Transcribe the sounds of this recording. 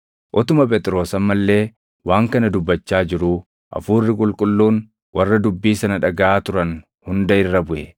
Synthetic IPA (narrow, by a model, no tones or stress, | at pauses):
ʔɔt̪ʊmɐpʼɛːt̪ʼɾo̞ːsɐmːɐlːe̞ː | waːŋkɐnɐd̪ʊbːɐt͡ʃːaːd͡ʒɪɾuː | ʔɐ̰fuːrːɪkʼʊlkʼʊlːuːn | wʔɐrːɐd̪ʊbːiːsɐnɐᶑɐɡɐʔaːt̪ʊɾɐn | hʊnd̪ɐɪrːɐbʊʔɛ